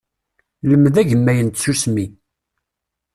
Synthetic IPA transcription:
ləmðæʝəmːæjənt̪susmi

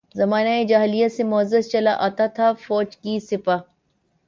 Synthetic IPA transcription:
zɐmaːnaed͡ʒaːɦlijasemʊəzəst͡ʃɐlaʔaːt̪at̪ʰafɔːd͡ʒkisɪpaː

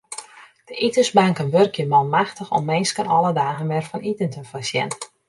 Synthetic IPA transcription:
d̥əʔitəzbaŋkənʋørkjəmɔnmaxtəxɔ̰mːɪnskənɔlˠədaːɣənʋɛrfɔnitəntəfasjɛ̰n

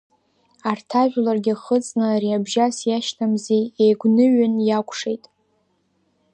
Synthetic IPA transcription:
artʰaʒᶣlarɡʲɪχət͡sʼnɨɾiabʒasjaʃtʰamziejɡʷnɨɥʏnjakʷʰʼʂe̞jtʼ

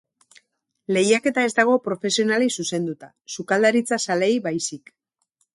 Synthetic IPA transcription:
le̞jake̞t̪ae̞zd̪aɣ̞o̞pɾo̞fe̞sio̞nalisuse̞nd̪ut̪a | sukald̪aɾit͡sasale̞jβajsik

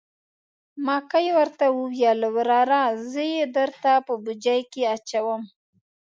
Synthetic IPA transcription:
mɑkajwəɾt̪awəwjalawɾɑɾazəjed̪əɾt̪apəbud͡ʒajkeat͡ʃawəm

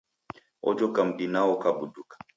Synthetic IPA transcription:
ɔ̰d͡ʒɔkam̩ɗinaɔkabudukḁ

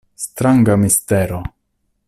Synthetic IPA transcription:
st̪ɾaŋɡamisteɾo

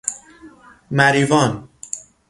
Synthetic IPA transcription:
mæɾiːvɒːn

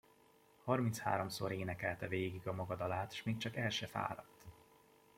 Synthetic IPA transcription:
hɒrmint̪sha̰ːɾo̞msoɾeːnɛkɛlt̪ɛveːɡiɡɒmɒɡɒd̪ɒlaːt̪ʃmeːkt͡ʃɒkɛlʃɛfa̰ːɾɒt̪ː

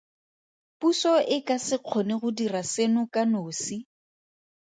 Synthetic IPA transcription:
pusɔʔɪkasɪq͡χʰɔneɣʊdirasenʊkanoːsi

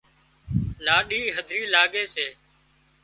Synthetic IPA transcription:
laːɗiːɦəd̪ʱɾiːlaːɠeːseː

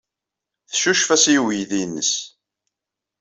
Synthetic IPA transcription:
θʃuʃfæsiwijðinːəs

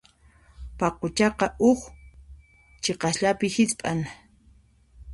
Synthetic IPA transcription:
paqot͡ʃɑqɑʔʊx | t͡ʃeqɑsʎapɪhɪt͡spʼan

